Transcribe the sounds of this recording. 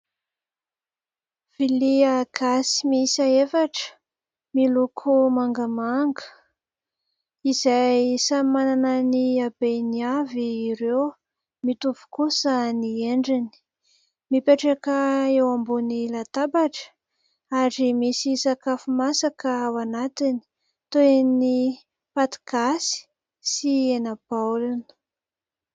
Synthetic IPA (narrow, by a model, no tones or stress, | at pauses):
v̥iliaɡ̥asi̥misaefaʈ͡ʂə̥ | milukʰumaŋɡəmaŋɡə̥ | izajsamananəniabeniaviːɾew | mit̪uvu̥kusənieɳɖ͡ʐini̥ | mipeʈ͡ʂakəewambunilat̪abaʈ͡ʂə̥ | aɾimisisakafumasakəawanat̪ini̥ | t̪oeni | pat̪i̥kasi̥ | sienab̥awlunə̥